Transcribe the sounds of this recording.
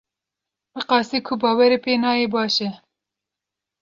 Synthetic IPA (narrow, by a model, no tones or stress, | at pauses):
bɨqɑːsiːkʰʊbɑːwɛɾeːpeːnɑːjeːbɑːʃɛ